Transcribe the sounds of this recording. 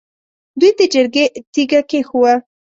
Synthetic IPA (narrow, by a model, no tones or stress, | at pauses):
d̪ujd̪əd͡ʒəɾɡet̪iɡakexuwa